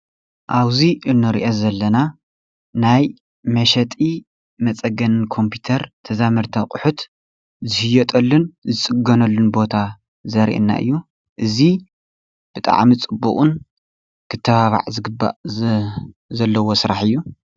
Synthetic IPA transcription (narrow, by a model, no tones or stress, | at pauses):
ʔaβziʔɨnːɨɾiʔezɐlːɐna | naj | mɐʃɐt̪ʼi | mɐt͡sʼɐɡɐnɨnkʰo̞mpʰit̪ʰɐɾt̪ʰɐzamɨɾt̪ʰaqʼʊħut̪ | zɨhɨjɐt̪ʼɐlːunzɨt͡sʼɨɡɐnɐlːunbo̞t̪ʰa | zɐɾḭʔɨ̰nːa̰ʔɨ̰jːu | ʔɨzi | b̥ɨt̪ʼa̰ʕmit͡sʼɨbːṵqʼun | kʰɨt̪ʰːɐβaβa̰ʕzɨɡɨba̰ | zɐlːɐwosɨɾaħɨjːu